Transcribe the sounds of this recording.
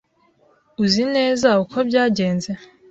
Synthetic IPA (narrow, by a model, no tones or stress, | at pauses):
uzine̞ːzaukʰo̞bɟaːɟe̞ːnze